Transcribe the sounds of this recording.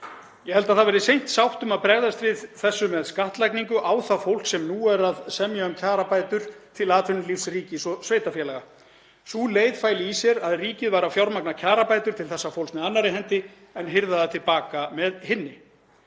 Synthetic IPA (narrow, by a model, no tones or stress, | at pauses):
jɛhɛlt̪aðθaðvɛɾɪsejn̥t̪sawht̪ʏmaðpɾɛɣðast̪ɾɪðθɛsːʏmɛðskaht̪lajkniŋkʏʔaːwθafowl̥ksɛmnuːɛɾaðsɛmjaʏmcʰaːɾapaːjt̪ʏɾ̥t̪ʰɪlaːt̪ʰvʏnʏlifsriːcɪsɔsvejt̪afjɛlaɛɣa | suleːjðfaːjlɪisjɛɾaðriːcɪðvaɾawfjawɾmaknacʰaːɾapaːjt̪ʏɾ̥t̪ʰɪlθɛsːafowlsmɛðanːaɾɪɦɛnt̪ɪ | ɛnɦɪɾðaðat̪ʰɪlpaːkamɛðhɪnːɪ